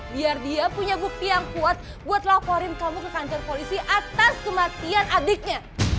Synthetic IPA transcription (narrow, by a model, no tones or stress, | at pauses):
biardiapuɲabuk̚t̪ijaŋkuat̪̚ | buat̪̚lapoɾɪnt̪amukəkaɲt͡ʃərpolisiʔat̪askəmat̪ianʔadɪk̚ɲa